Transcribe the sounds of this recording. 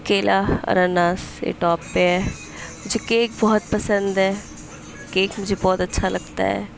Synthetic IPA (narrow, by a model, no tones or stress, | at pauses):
keːlʔaːə̰ɾaːnaːsḛːʈɔːpːeɛː | mʊd͡ʒʱekeːk̚bɔːt̪̚pəsə̃nd̪ɛː | keːkmʊd͡ʒʱebɔːt̪ətːʃʰaːləɡt̪a̰ːɛ̰ː